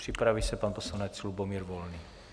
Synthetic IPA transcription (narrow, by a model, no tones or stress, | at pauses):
r̥ipɾaʋisapaːnpɔslanaːt͡slubɔmiːɾʋɔlni